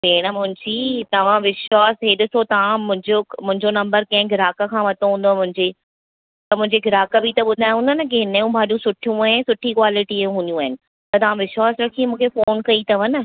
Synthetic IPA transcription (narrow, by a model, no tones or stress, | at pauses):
peːɽ̃əmʊ̃ɦɪ̃ɲd͡ʑit̪ɐʋ̤ãʋɪʃwaːsɦeɗɪsot̪ɐʋ̤ãmʊ̃ɦɪ̃ɲd͡ʑomʊ̃ɦɪ̃ɲd͡ʑonɐ̃mbəɾkɐ̃ɦɪ̃ɡʱɪɾaːkə̆kʰãːʋɐt̪ʰoɦũːn̆d̪omʊ̃ɦɪ̃ɲd͡ʑeː | t̪ɐmʊ̃ɦɪ̃ɲd͡ʑeɡʱɪɾaːkəbʱit̪ɐɓʊd̪ʱaːj̃ɦũːnd̪anɐkeɦɪnɐjũbʱaːɗũsʊʈʰijũaːɪnsʊʈʰikwaːlɪʈijũɦũnjũaːɦɪnɪ̆ | t̪ɐt̪ɐʋ̤ãʋɪʃwaːsɾɐkʰĩmũːkʰefoːnkɐit̪ɐʋɐnə